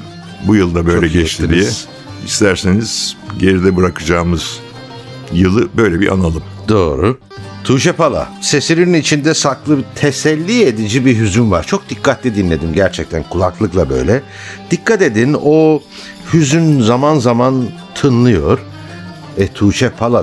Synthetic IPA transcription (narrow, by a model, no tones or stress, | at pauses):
bujɯlˠd̪abøjlʲɛɟɛt͡ʃt̪id̪ijɛ | ist̪ʰæɾsiniz̥ɟe̞ɾid̪ɛbɯɾakʰɯd͡ʒaːmɯz̥ | jɯlˠɯbø̞jlʲɛbḭʔa̰nalˠɯm | d̪o̞ːɾu | t̪ʰuːʃɛpalˠa̰se̞siɾininit͡ʃʰind̪ɛsaklˠɯbt̪ʰesɛlʲːie̞d̪id͡ʒibiɦyzynva̰ɾt͡ʃʰo̞k̚d̪ikːat̪lʲid̪inlʲe̞d̪imɟæɾt͡ʃʰɛc̚t̪ʰænkʰulˠaklˠɯklˠabø̞̰jlʲɛ | d̪̥ikːat̪e̞d̪ino̞ | hyzynzamanzaman | t̪ʰɯnlˠɯjo̞ɾ̥ | ɛt̪ʰuːt͡ʃʰɛpʰalˠa